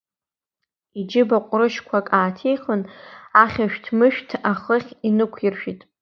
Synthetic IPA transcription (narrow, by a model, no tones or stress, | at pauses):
id͡ʒɪbaqʷʼrɨʃkʷʰakʼaːtʰejχənaχʲaʃᶣtʰmɨʃᶣtʰaχəχʲinɨkʷʰirʃᶣitʼ